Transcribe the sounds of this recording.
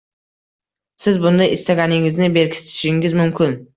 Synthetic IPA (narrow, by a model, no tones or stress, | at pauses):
sɪzbʊnd̪ajɪst̪aɡʲanɪŋɪznɪbe̞ɾkʲʰɪ̥t̪ʰɪ̥ʃɪŋɪzmʊmkʰʲɪn